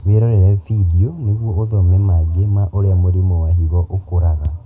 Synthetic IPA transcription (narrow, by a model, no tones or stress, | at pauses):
βeɾɔɾɛɾɛfidiɔneɣwɔoðɔmɛmad͡ʒemaʔoɾeamoɾimɔwahiɣɔʔokoɾaɣa